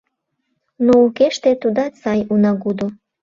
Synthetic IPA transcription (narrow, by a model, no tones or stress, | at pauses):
noukeʃt̪et̪ud̪ɑt͡sɑjunɑɡud̪o